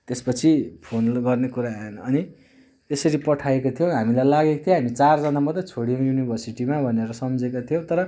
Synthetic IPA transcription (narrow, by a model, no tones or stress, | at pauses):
t̪espʌt͡sʰipʰonɡʌrnekuɾaenːni | t̪esʌɾipʌʈʰaekot̪ʰijõɦamilajlaɡekot̪ʰjẽɦamit͡sard͡zʌnamʌt̪rʌt͡sʰoɽijejunibʱʌrsiʈimabʱʌneɾʌsʌmd͡zekot̪ʰijõt̪ʌɾʌ